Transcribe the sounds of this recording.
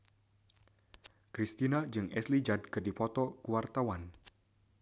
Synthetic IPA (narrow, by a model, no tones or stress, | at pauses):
kɾist̪inad͡ʒɨŋʔɛslid͡ʒad̚kɨrdipɔt̪ɔkuwart̪awan